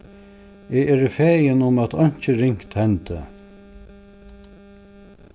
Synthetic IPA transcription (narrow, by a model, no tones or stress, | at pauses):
ɪɛːɾəfɛːjɪnʊmæt̪ʰɔɲ̥t͡ʃəɾɪŋ̥kt̪hɛnt̪ɪ̰